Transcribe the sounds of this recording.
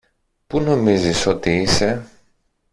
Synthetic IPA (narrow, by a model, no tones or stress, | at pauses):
puno̞miziso̞t̪iise̞